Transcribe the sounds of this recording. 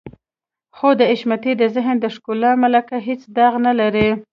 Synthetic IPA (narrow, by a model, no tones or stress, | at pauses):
xod̪əɪʃmat̪id̪əzɪɦnd̪əʃkulɑmalakaɦet͡sd̪ɑɣnalaɾi